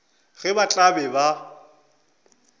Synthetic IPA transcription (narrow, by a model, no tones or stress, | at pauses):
ɣɛbat͡ɬʼabɛba